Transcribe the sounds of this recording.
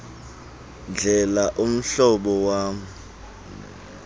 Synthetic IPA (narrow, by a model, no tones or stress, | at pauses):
nd͡ɮʱɛlaʔum̩ɬɔɓɔwaːm̩